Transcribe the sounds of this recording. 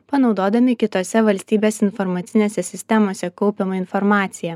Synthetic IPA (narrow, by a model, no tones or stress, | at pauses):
pɐnɒʊd̪oːd̪ɐmʲɪkʲɪt̪oːsʲɛʋɐlʲsʲt̪ʲiːbʲeːsɪnfɔɾmɐt̪sʲɪnʲeːsʲɛsʲɪsʲt̪ʲɛmoːsʲɛkɒʊpʲemɐɪnfɔɾmɑːt̪sʲɪjɛ